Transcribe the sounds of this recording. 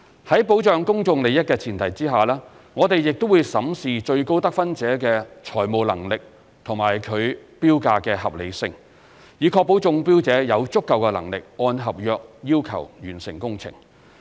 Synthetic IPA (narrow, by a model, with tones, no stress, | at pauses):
hɐ˨˥jpo˨˥wt͡ʃœː˨˧ŋkʊ˥ŋt͡sʊ˨˧ŋle˨jɐ˥t̚kɛː˧t͡sʰiː˨˩nt̪ʰɐ˨˩jt͡siː˥ɦaː˨˩lɛː˥ | ŋɔː˨˧t̪e˨jjɪ˨k̚t̪o˥wu˨˧jsɐ˨˥msiː˨t͡ʃɵ˧ɥko˥wt̪ɐ˥k̚fɐ˥nt͡sɛː˨˥kɛː˧t͡ʃʰɔː˨˩jmo˨wlɐ̰˨˩ŋlɪ˨k̚ | t̪ʰʊ˨˩ŋmaː˨˩jkʰɵ˨˧ɥpiː˥wkaː˧kɛː˧hɐ˨p̚lḛ˨˧jsɪ˧ŋ | jiː˨˧kʰɔː˧k̚po˨˥wt͡sʊ˧ŋpiː˥wt͡sɛː˨˥jɐ˨˧wt͡sʊ˥kːɐ˨˧wkɛː˧lɐ̰˨˩ŋlɪ˨k̚ɔː˧nɦɐ˨p̚jœː˧k̚jiː˥wkʰɐ̰˨˩wjyː˨˩nsɪ˨˩ŋkʊ˥ŋt͡sʰɪ̰˨˩ŋ